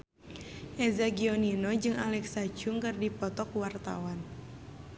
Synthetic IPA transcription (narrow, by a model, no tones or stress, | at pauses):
ʔɛzaɡiɔninɔd͡ʒɨŋalɛksad͡ʒuŋkɨrdipɔt̪ɔkwart̪a̰wan